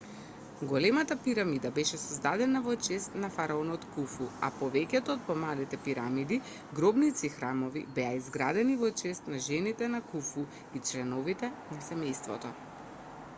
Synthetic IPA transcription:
ɡɔlɛmat̪apiɾamid̪abɛʃɛsɔzd̪ad̪ɛnavɔt͡ʃɛst̪nafaɾaɔnɔt̪kufua̰pɔvɛkɛt̪ɔːt̪̚pɔmalit̪ɛpiɾamid̪i | ɡɾɔbnit̪sixɾamɔvḭbɛaizɡɾad̪ɛnivɔt͡ʃɛst̪naʒɛnit̪ɛnakufu | it͡ʃlɛnɔvit̪ɛnasɛmɛjst̪vɔ̰t̪ɔ

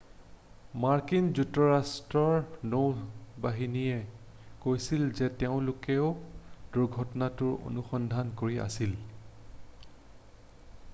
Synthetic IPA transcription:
maɹkinzutːɔɹastɹɔɹnobaɦiniɛ | kojsilzɛtɛʊ̃lʊkɛʊd̥uɡʱɔtɔnatʊɹo̰nuxɔndʱankoɹiʔa̰sil

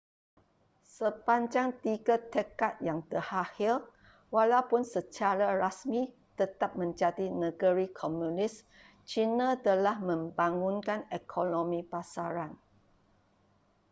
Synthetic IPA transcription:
səpaɲd͡ʒaŋt̪iɡat̪əkat̪̚jaŋt̪əhahil | walawpʊnsət͡ʃaɾarasmi | t̪ət̪ap̚mə̃ɲd͡ʒadinə̃ɡəɾikʰɔmjũnɪs | t͡ʃinãt̪əlahmə̃mbaŋũnkanekʰonõmĩpasaɾan

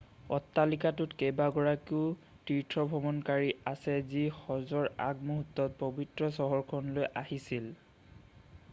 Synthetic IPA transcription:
ɔtːalikatʊtkejbaɡɔɹakiʊ | tiɹtʰɹɔbʱɔmɔnkaɹiasɛzixɔzɔɹa̰ɡ̚muɦutːɔt̚pobitɹɔsɔɦɔɹkʰɔnlojʔahisil

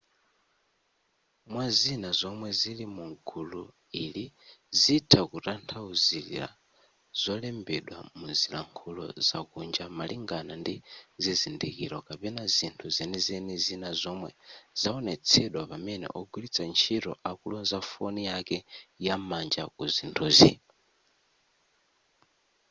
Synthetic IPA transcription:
mwazinazɔmwɛzilimuŋɡulu | ilizitʰakuɾantʰauziɾḭɾa̰ | z̥ɔlɛmbɛɗwa̰muzilaŋkʰulɔ̰zakund͡ʒamaliŋɡanandizizindikiɾɔkapɛnazintʰuzɛnizɛnizinazɔmwɛz̥aɔnɛt͡sʰɛɗwapamɛnɛ̰ʔɔɡwilit͡sʰant͡ʃʰiɾɔ̰ʔakulɔnzafɔnijakɛjamand͡ʒakuzintʰuːzḭ

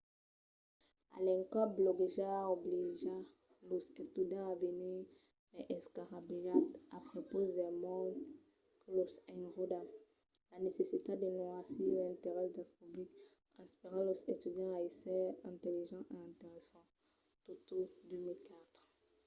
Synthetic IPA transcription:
a̰lɛ̃ŋkɔblɔɡeʒaobliʒa | losest̪yd̪jɑ̃aveniʁ | mɛʔɛskaʁabiat̪apχepozdɛmɔ̃ | klɔsɛ̃ʁod̪a | lanesesit̪ad̪enoasiɛ̃nt̪eʁɛsd̪ɛ̃spyblik | ɛ̃spiʁɑ̃lɔset̪yd̪jɑ̃aesɛɛ̃t̪eliʒɑ̃ʔeɛ̃t̪eʁɛsɑ̃ | t̪ot̪od̪ømilkat̪χ

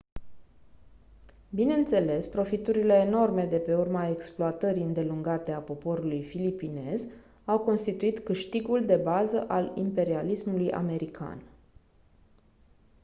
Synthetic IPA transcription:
bine̞ɨnt̪se̞le̞spɾo̞fit̪uɾile̞ːno̞rme̞d̪e̞pe̞urmae̞ksploat̪əɾiɨnd̪e̞luŋɡat̪e̞apo̞po̞ɾulujfilipine̞z | awko̞nst̪it̪uit̪kɨʃt̪iɡuld̪e̞bazəʔalḭmpe̞ɾialismuluja̰me̞ɾikʰa̰n

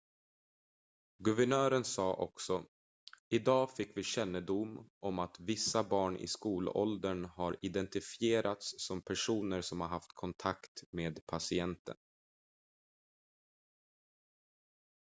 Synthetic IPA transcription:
ɡɵvæɳœːɾənsɑːʔɔ̰ksɔ | ɪd̪ɑːfɪkːvɪɕɛnːəd̪ʊmʔɔmat̪vɪsːabɑːɳɪ̰skuːlɔ̰ld̪əɳhaɾɪd̪ɛnt̪ɪfɪeːɾʔat̪sːɔmpʰæʂuːnəɾsɔmhaɾɦaft̪kʰɔnt̪ʰakt̪meːd̪pʰasɪɛnt̪ə̰n

